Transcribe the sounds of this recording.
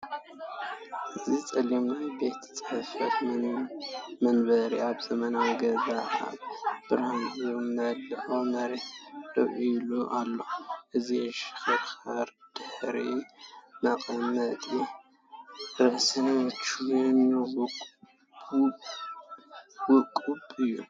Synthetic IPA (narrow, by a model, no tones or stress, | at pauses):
ʔɨzit͡sʼɐlomnajbe̞t̪ʰt͡sʼɐfɐt̪ | mɐnbɐɾiaβzɐmɐnawɡɐzaa̰b̥ɨɾamjomɐdɨʔomɐɾetlɐ̰ʔijluʔalːoʔɨziʃɪ̥xɨɾxaɾd̪̥ɨħɾimɐqʼɐmɐt̪ʼi | ɾɨʔsɨnt͡ʃʰunwkʼ | wʊkʼubɨjːṵ